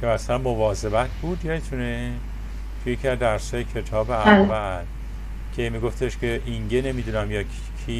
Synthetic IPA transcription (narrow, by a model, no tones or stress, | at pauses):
kʰemæsælænmo̞vɒːze̞bæt̪ʰbuːd̪jɒet̪ʰune | t̪ʰujecʰiæd̪æɾsɒːjecʰe̞t̪ʰɒːbeævæl | cʰe̞miɡo̞ft̪ʰe̞ʃcʰe̞ʔiŋɟene̞mid̪unæmjɒː | kʰi